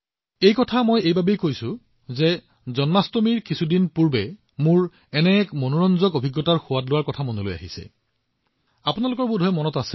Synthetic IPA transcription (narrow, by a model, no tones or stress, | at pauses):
ejkɔtʰamojejbabejkojsʊ̃ | zɛ | zɔnmastomiɹkisʰudinpuɹbɛ | muɹ | ɛnɛkmonoɹɔnzɔkobʱiɡːɔtaɹxʊwatlʊwaɹkɔtʰamonoloja̰ɦisɛ̰ | apunalʊkɔɹbudʱɔɛmɔnɔtasɛ